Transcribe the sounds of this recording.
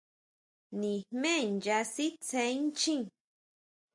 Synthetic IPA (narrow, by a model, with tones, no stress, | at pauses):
nĩ˨hmẽ˦˨nja˧si˦t͡se˧˦n˦t͡ʃĩ˦